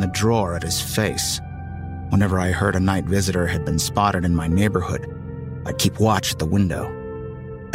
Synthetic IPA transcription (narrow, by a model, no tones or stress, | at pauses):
ðɨdɹɔɹɨt̚hɨz̥feɪs | wə̃nɛvə˞aɪɜ˞ɾɨnaɪtvɪzɨɾə˞ɨd̚bɨ̃nspɑɾəɾɨ̃nmaɪneɪbə˞hʊd | aɪd̚kʰipʰwɑt͡ʃɨ̥t̪̚ðəwɪ̃ndo̰ʊ